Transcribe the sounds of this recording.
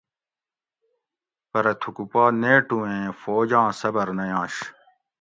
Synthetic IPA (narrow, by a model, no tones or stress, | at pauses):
pɐɾɐt̪ʰukupaːneːʈuẽːfoːd͡ʑãːsɐbɐɾnɐjãːɕ